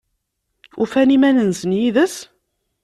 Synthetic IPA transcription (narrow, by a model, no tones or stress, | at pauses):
ufænimænənsənjiðəs